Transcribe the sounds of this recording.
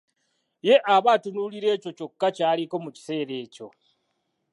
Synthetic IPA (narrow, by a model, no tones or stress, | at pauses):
je̞ʔaβaːtunuːliɾe̞ːco̞co̞kːacaːliko̞muci̥se̞ːɾe̞ːco̞̰